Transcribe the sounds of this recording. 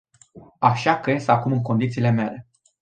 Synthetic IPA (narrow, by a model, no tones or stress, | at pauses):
aʃakəjesakumɨŋko̞nd̪it̪siːle̞me̞le